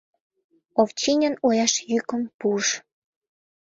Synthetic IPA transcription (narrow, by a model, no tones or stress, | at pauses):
oft͡ɕinʲənojɑʃjykə̆mpuʃ